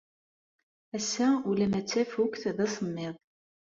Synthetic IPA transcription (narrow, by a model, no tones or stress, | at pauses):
æsːæulæmæt͡sːæfukʷθðæsˤəmːɪðˤ